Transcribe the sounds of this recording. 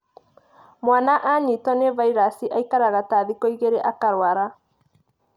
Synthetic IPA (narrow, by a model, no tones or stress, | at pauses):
mwanaʔaɲitɔnevaiɾasiʔaikaɾaɣataðikɔiɣeɾeʔakaɾwaɾa